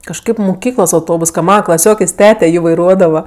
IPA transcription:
kɐʃˈkɐɪp mʊˈkʲiːklˠoːs ɐʊˈtoːbʊs kɐ ˈmɑːnɐ klˠɐˈsʲoːkʲeːsʲ ˈtʲæːtʲɛ ˈjiː ʋɐɪˈruɔdɐʋɐ

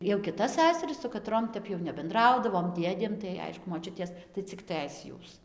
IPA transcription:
jɛʊ kʲɪˈtɐs ˈsʲæsɐrʲɪs sʊ kɐˈtroːm ˈtʲɛp jɛʊ nʲɛbʲɛnˈdrɐʊdɐʋoːm ˈdʲeːdʲeːm tɐɪ ˈɐɪʃkʊ moːˈt͡ʃʲʊtʲeːs tɐɪ t͡sʲɪk ˈtɘs ˈjuːs

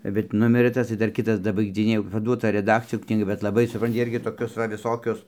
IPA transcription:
bʲɛt ˈnʊmʲɪrɘ ˈtɐs tɐɪ ˈdɐr ˈkʲɪtɐs dɐbɐɪɡd͡zʲɪˈnʲeːjɛ jɛʊ pɐˈduɔtɐ rʲɛˈdɑːkt͡sʲɪjoːn knʲiːˈɡɐ bʲɛt lˠɐˈbɐɪ sʊˈprɐnʲtʲɪ ˈɪrʲɡʲɪ toːˈkʲʊs ʋɐ ʋʲɪˈsoːkʲʊs

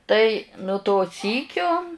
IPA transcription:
ˈtɐɪ nʊ toː ˈsʲiːkʲoː

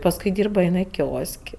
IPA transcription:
pɐsˈkʊɪ ˈdʲiːrbɐ ɪˈnɐɪ ˈkʲoːsʲkʲ

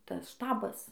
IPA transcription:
ˈtɐs ˈʃtɑːbɐs

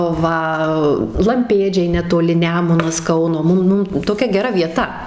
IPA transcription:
ˈʋɐ lˠɐmʲˈpʲeːd͡ʒʲɛɪ nʲɛtoːˈlʲɪ ˈnʲæːmʊnɐs ˈkɐʊnoː ˈmʊm ˈmʊm toːˈkʲɛ ɡʲɛˈrɐ ʋʲiɛˈtɐ

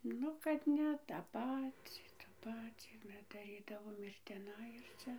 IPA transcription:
ˈnʊ kɐt ˈnʲɛ tɑː ˈpɑːt͡sʲiː tɐ ˈpɑːt͡sʲiː dɐˈrʲiːdɐʋoːm ɪr tʲɪˈnɐɪ ɪr ˈt͡sʲɛ

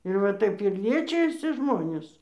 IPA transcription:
ɪr ʋɐ ˈtɐɪp ɪr ˈlʲiɛt͡ʃʲɪjɛsʲɪ ˈʒmoːnʲeːs

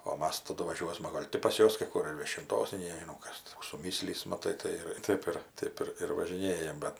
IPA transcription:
oː ˈmɐs tɐˈdʊ ʋɐˈʒʲuɔsmɐ ˈɡoːlʲ tʲɪ pɐs ˈjuɔs kɐɪ kʊr ɪr ʋʲiɛʃʲɪnˈtoːs nʲɛɪ nʲɛʒʲɪˈnɐʊ ˈkɐs kuː sʊˈmʲiːsʲlʲiːs mɐˈtɐɪ tɐɪ ˈɪr ˈtɐɪp ɪr ˈtɐɪp ɪr ʋɐʒʲɪˈnʲeːjɛm ˈbʲɛt

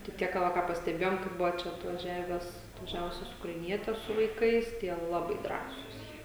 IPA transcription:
tɐɪ ˈtʲiɛk kɐ ˈʋɐ kɑː pɐsʲtʲɛˈbʲeːjoːm kɐɪ ˈbʊʋoː ˈt͡ʃʲɛ ɐtʋɐˈʒʲæːʋʲæːs ɐtʋɐˈʒʲæːʋʊsʲɛs ʊkrɐɪˈnʲiɛtʲɛs sʊ ʋɐɪˈkɐɪs tʲiɛ ˈlˠɑːbɐɪ ˈdrɑːsuːs jiɛ

